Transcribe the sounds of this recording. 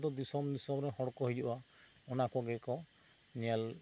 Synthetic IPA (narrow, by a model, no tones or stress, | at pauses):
d̪ɔd̪isɔmdisɔmɾɛɦɔɽɔkɔɦejd͡ʒubaunakɔɡɛkɔnial